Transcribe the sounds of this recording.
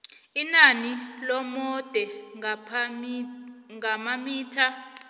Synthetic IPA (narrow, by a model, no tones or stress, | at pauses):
inanilɔmɔd̥ʱɛ | ŋamamiːtʰa